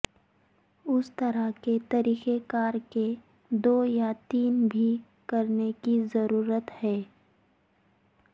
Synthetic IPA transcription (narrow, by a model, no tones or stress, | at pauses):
ʊst̪ɐɾaket̪ɐɾiːxekaːɾke | d̪oːjat̪iːnbʱi | kɐɾnekizɐɾuːɾət̪hɛː